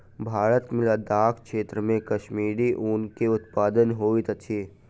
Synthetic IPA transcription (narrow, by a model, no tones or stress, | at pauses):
bʱaːɾət̪mɪlad̪aːkʰkʃeːt̪ɾəmẽkɐʃmiːɾiʔʊnkeʊt̪paːd̪ənɦoːit̪ɐt͡ʃ̪ʰiː